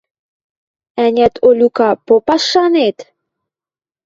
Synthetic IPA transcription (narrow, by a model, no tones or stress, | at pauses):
ænʲæt̪ʰolʲukɑpopɑʃːɑnet̪